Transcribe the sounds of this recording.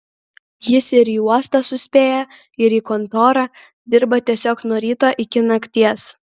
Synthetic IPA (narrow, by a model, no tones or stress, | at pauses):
jɪsɪɾiːuɔst̪ɐsʊsʲpʲeːjɛ | ɪɾiːkɔnt̪oːɾɑ | d̪ʲɪɾbɐt̪ʲiɛsʲoːknuɔɾʲiːt̪oːʔɪkʲɪnɐkʲt̪ʲiɛs